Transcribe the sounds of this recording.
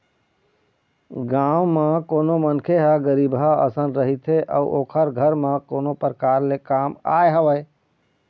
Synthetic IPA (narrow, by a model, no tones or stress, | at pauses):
ɡaʊmãkoːnomənkʰeɦaɡəɾibʱɦaə̰sənɾəɦit̪ʰeʔə̰uʔoːkʰəɾɡʱəɾmãkoːnopɾəkaːɾlekaːma̰eɦəʋəj